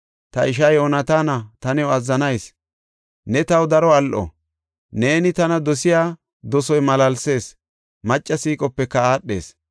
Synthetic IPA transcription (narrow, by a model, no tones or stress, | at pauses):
t̪ɐɪʃ̬ɐjoːnɐt̪aːnɐt̪ɐnɛɔɐzːɐnɐjs | nɛt̪ɐwd̪ɐɾɔɐlʔɔ̰ | ne̞ːnɪt̪ɐnɐd̪ɔsɪjaː | d̪ɔsɔjmɐlɐlse̞ːs | mɐt͡ʃʼːɐsiːkʼɔpːɛkːɐaːɗːe̞ːs